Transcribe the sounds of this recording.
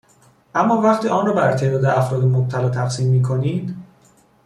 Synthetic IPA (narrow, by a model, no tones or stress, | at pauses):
ʔæmːɒːvæχt̪iːɒːnrɒːbæɾt̪ʰe̞ʔd̪ɒːd̪eæfɾɒːd̪emob̚t̪ʰælɒːt̪ʰæxsiːmːiːkʰoniːd̪